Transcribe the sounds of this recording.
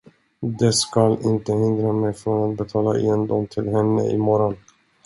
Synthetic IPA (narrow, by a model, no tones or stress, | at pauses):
d̪ɛskalɪnt̪əhɪnd̪ɾamɛjfɾonat̪̚bɛt̪ʰɑːlaʔɛ̰ɛnd̪ɔmt̪ʰɪlɦɛnːə̰ʔɪ̰mɔɾɔn